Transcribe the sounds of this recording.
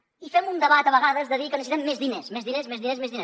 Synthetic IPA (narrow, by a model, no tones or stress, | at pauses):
ifɛmund̪əβat̪əβəɣaðəzðəðikənisit̪ɛmːezðinesmezðinezmezðinezmezðine